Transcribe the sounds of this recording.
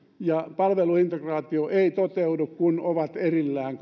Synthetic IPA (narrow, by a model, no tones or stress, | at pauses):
jɑpɑlʋeluint̪ekrɑːt̪ioʔeit̪ot̪eudukkunoʋɑt̪erilːæːŋk